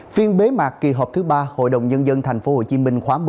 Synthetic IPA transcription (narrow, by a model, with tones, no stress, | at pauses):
fi˧ənɓe˨˦ma̰ː˨˩kki˨˩ɦɔː˨˩p̚t̪ʰɨ˨˦ɓaː˧ho̰˧˨jɗə˨˩wŋ͡mɲə˧nzə˧nt̪ʰɛ˨˩jŋ̟fo˨˦ho̰˧˨t͡ɕi˨˦mï˧ŋ̟xwaː˨˦m˧˨